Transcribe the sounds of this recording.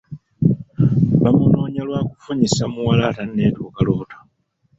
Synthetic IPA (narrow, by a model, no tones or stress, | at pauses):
βamuno̞ːɲalwaːkufuɲisamuwalataneːtuːkalo̞ːtḁ